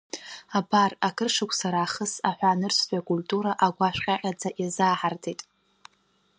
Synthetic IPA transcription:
abarakʰɨrʂɨkʷʰʼsaɾaːχəsaħʷᶣaːnɨrsʷʰʼtʷᶣʼakʼultʼuɾaʔaɡʷaʃᶣʷqʲʼaqʲʼad͡zaʔjazaːħartʰejtʼ

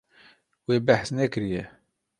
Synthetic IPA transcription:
wibaħθnækəɾjæ

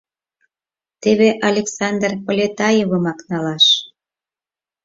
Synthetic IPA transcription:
t̪eβeʔɑlʲeksɑnd̪rpolʲet̪ɑjeβəmɑknɑlɑʃ

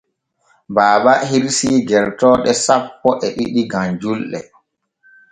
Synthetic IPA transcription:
baːɓahiɾsiːɡɛɾtɔːɗɛsapːɔʔɛɗḭɗiɡaɲd͡ʒulɗɛ̰

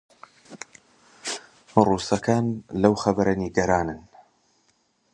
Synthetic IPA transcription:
ruːsɐkʰaːnlɐwxɐbɐɾɐniɡɐɾaːnɨn

